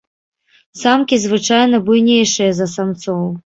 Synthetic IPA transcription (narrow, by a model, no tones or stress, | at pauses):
samkʲizvɨt͡ʂajn̪ɐbujnʲejʂɨjɐzɐsamt̪sɔw